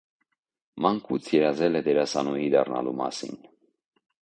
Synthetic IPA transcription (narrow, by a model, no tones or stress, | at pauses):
mɑŋkʰut͡sʰjɛɾɑzɛlɛd̪ɛɾɑsɑnujid̪ɑrnɑ̰lumɑ̰sḭn